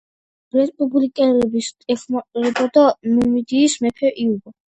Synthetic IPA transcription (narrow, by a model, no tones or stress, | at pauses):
ɾɛspʼublikʼɛlɛbist̪ʼɛxmaqʼiɾɛbɔd̪amɛmid̪iːsmɛpʰɛʔiubɔ